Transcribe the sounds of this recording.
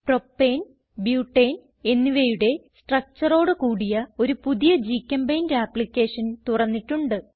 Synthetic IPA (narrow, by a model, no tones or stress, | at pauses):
pro̞pːen | bjuːʈːeːn | e̞nːiʋejuɽe̞sʈrɐk̚t͡ɕɐro̞ːɽɨkuːɽijɐo̞ɾupuðijɐd͡ʑiːkʲːɐmbɐjndeaːplikʲːe̞ːʂɐnt̪urɐnːiʈːuɳɖɨ